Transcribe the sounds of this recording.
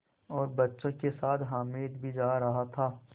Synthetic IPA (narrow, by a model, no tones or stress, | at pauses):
ɔːɾbɐtːʃõkesaːt̪ʰɦaːmeːd̪bʱid͡ʒaːɾɐɦat̪ʰaː